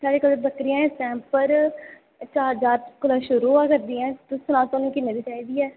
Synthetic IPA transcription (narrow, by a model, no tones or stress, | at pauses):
saːɽeːkələɾbəkɾijãɛ̃ːsɛ̃ːmpəɾ | t͡ʃaːɾd͡ʒaːɾkʊlaːʃʊɾuːakəɾd̪iːɛ̃ːt̪ʊsʊnaːt̪onĩːkɪnːeːd̪iːt͡ʃaːiːd̪iːɛː